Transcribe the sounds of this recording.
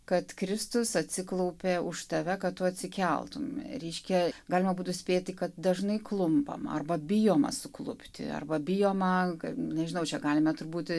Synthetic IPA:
kɐt̪kɾʲɪst̪ʊsɐt̪ʲsʲɪklˠɐʊpʲeːʊʃt̪ɐʋʲɛkɐt̪t̪ʊɐt̪ʲsʲɪkʲɛ̰lˠt̪ʊmɾʲɛɪʃʲkʲɛɡɑːlʲɪmɐbuːt̪ʊsʲpʲeːt̪ɐkɐt̪̚d̪ɐʒnɐɪklˠʊmpɐ̰mɐ̰rbɐbʲɪjoːmɐ̰sʊklˠʊpʲt̪ʲɪ̰ɐ̰rbɐbʲɪjoːmɐkɐnʲɛʒʲɪnɐʊt͡ʃʲɛɡɑːlʲɪmɐt̪ʊɾbuːt̪

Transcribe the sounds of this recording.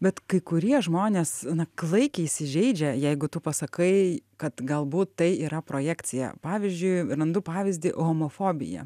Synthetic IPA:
bʲɛt̪kɐɪkʊɾʲiɛʒmoːnʲeːsnɐklˠɐɪkʲɛisʲɪʒʲɛɪd͡ʒʲɛjɛɪɡʊt̪ʊpɐsɐkɐɪkɐt̪ɡɐlˠbuːt̪ːɐɪiːɾɐpɾoːjæːkt͡s̪sʲɪjɛ̰pɑːʋʲɪzʲd͡ʒʲʊɪrɐnd̪ʊpɑːʋʲɪzʲd̪ʲɪʔoːmoːfoːbʲɪ̰jɛ̰

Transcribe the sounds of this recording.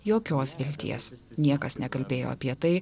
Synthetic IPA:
joːkʲoːsʋʲɪlʲt̪ʲḭɛsnʲiɛkɐsnʲɛkɐlʲbʲeːjo̰ːɐ̰pʲiɛt̪ɐɪ

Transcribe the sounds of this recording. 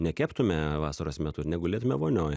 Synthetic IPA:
nʲɛkʲæːpt̪ʊmʲɛʋɑːsɐɾoːsmʲɛt̪ʊnʲɛɡʊlʲeːt̪ʊmʲɛʋoːnʲoːj

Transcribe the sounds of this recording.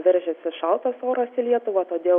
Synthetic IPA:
ʋʲɛɾʲʒʲɛsʲɪʃɑlˠt̪osoːɾɐsɪlʲiɛt̪ʊʋɐːt̪oːd̪ʲeː

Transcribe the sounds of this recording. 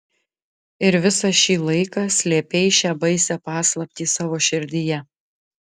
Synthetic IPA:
ɪɾʋʲɪsɐʃʲiːlˠɐɪkɑːsʲlʲeːpʲɛɪʃʲæːbɐɪsʲɛpɑːslˠɐpʲt̪ʲiːsɑːʋoːʃʲɪɾʲd̪ʲɪjɛ

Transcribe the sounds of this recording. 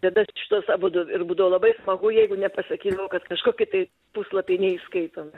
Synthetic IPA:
t̪ɐd̪ɐʃʲɪt̪uːsɑːboːd̪oɪrbuːd̪ɐʋoːlˠɐbɐɪsmɐɡʊjɛɪɡʊnʲɛpɐsɐkʲiːd̪ɐʋoːkɐt̪kɐʃkoːkʲɪt̪ɐɪ | puːslˠɐpʲɛɪnʲɛiskɐɪt̪oːmʲɪ

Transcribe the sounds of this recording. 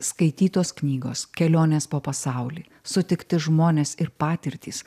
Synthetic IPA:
skɐɪt̪ʲiːt̪oːsknʲiːɡoːskʲɛlʲoːnʲeːspoːpɐsɑʊlʲiː | sʊt̪ʲɪkt̪ʲɪʒmoːnʲeːsɪɾpɑːt̪ʲɪɾʲt̪ʲiːs

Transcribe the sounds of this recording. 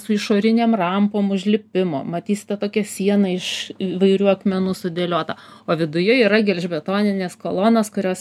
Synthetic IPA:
sʊɪʃoːɾʲɪnʲeːmrɐmpoːmʊʒʲlʲɪpʲɪmo̰ːmɐt̪ʲiːsʲɪ̥t̪ʲɛt̪oːkʲɛsʲiɛnɐɪʃʋɐɪɾʲuːɐkmʲɛnuːsʊd̪ʲeːlʲoːt̪ɐoːʋʲɪd̪ʊjʊiːɾɐɡʲɛlʲʒʲbʲɛt̪oːnʲɪnʲeːskoːlˠoːnɐskʊɾʲoːs

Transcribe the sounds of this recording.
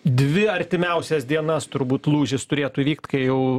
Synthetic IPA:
d̪ʲʋʲɪɐɾʲt̪ʲɪmʲɛʊsʲɛsd̪ʲiɛnɐst̪ʊɾbuːt̪lˠuːʒʲɪst̪ʊɾʲeːt̪uːiʋʲiːk̚t̪kɐɪjɛʊ

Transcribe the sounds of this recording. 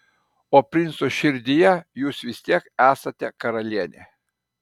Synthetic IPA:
oːpʲɾʲɪnsoʃʲɪɾʲd̪ʲɪjɛjuːsʋʲɪsʲt̪ʲiɛkæːsɐt̪ʲɛkɐɾɐlʲiɛnʲḛ

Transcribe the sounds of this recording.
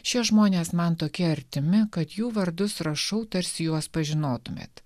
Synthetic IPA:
ʃʲɪɛʒmoːnʲeːsmɐnt̪oːkʲɛɐɾʲt̪ʲɪmʲɪkɐt̪juːʋɐɾd̪ʊsɾɐʃɐʊt̪ɐɾʲsʲɪjuɔspɐʒʲɪnoːt̪ʊmʲḛːt̪

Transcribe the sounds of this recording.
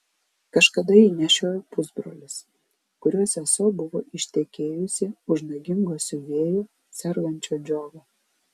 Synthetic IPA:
kɐʃkɐd̪ɐiːnʲɛʃʲoːjpʊzbɾoːlʲɪs | kʊɾʲuɔsʲɛsoːbʊʋo̰ːɪʃʲt̪ʲɛkʲeːjʊsʲɪʊʒnɐɡʲɪŋɡoːsʲʊʋʲeːjoː | sʲɛɾɡɐnʲt͡ʃʲoːd͡ʒʲoːɡɐ

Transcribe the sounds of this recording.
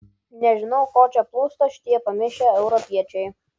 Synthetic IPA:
nʲɛʒʲɪnɔʊkɔːt͡ʃʲɛplˠuːst̪ɐʃʲt̪ʲiɛpɐmʲɪʃʲɛɛʊɾɔpʲiɛt͡ʃʲɛj

